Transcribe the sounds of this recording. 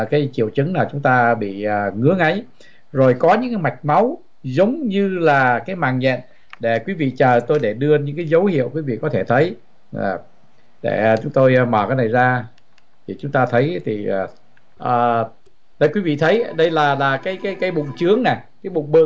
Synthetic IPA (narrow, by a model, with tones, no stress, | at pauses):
kaː˨˦jt͡ɕi˧˩əwt͡ɕɨ˨˦ŋlaː˨˩t͡ɕʊ˨˦ŋ͡mt̪aː˧ɓḭ˧˨ə˨˩ŋɨ˨˦˥əŋʔə˨˦j | zo˨˩jkɔ˨˦ɲɨ̰˧˥ŋka˨˦jma˨˩jk̟̚ma˨˦w | zə˨˦wŋ͡mɲɨ˧laː˨˩kaː˨˦jmaː˨˩ŋɲɛ̰˧˨n | ɗe˧˩kwi˨˦vḭ˧˨t͡ɕəː˨˩t̪o˧jɗe˧˩ɗɨ˧əɲɨ̰˧˥ŋkaː˨˦jzə˨˦whḭ˧˨əwkwi˨˦vḭ˧˨kɔ˨˦t̪ʰe˧˩t̪ʰə˨˦j | ɗḛ˧˩˨t͡ɕʊ˨˦ŋ͡mt̪o˧jməː˨˩kaː˨˦jna˨˩jzaː˧ | t̪ʰi˨˩t͡ɕʊ˨˦ŋ͡mt̪aː˧t̪ʰə˨˦jt̪ʰiː˨˩˨ | ʔəː˨˩ | lə˨˦jkwi˨˦vḭ˧˨t̪ʰə˨˦jɗə˧jlaː˨˩laː˨˩kaː˨˦jkaː˨˦jkaː˨˦jɓʊ̰˧˨ŋ͡mt͡ɕɨ˨˦əŋna˨˩kaː˨˦jɓʊ̰˧˨ŋ͡mɓɨ̰˧˨